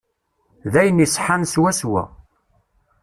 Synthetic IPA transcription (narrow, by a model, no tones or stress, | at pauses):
ðæjənisˤħanswæswæ̰